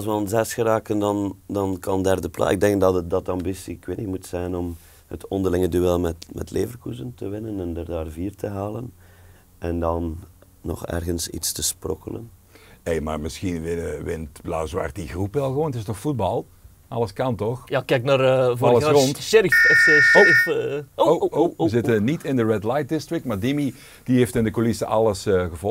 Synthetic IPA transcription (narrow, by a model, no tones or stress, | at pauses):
ɑlˠs̬ʋənzɛsxəɾaːkəndɑndɑnkɑndɛrdəpla̰ɪɡ̚dɛŋk̚dɑtdɑtɑmbisikwɪnɪkmutsɛjnɔm | hətɔndərlɪŋədyɛlˠmɛtmɛ̰tleːvərkuzəntəʋɪnənɛndərdaːrviːrtʰəɦaːlən | ɛndɑnː | ɔ̰xɛ̰rɣənsḭtstəsprɔkələ̰n | ejma̰ːrmɪsxinʋɪnəʋɪntbla̰ːzwa̰rdiɣrupʋɛlˠɣəʋoːntɪstnɔxfud̚bɑlˠ | ʔɑləskɑntɔxjakɛjknaɾvɑlərɔntɾifofooəzɪtənitʰɪndəɹɛdlajt̚dɪstɹɪk̚tmaːɹdɪmi | d̥iɦeftɪndəkolɪsəʔɑlˠəsəɣəvɔ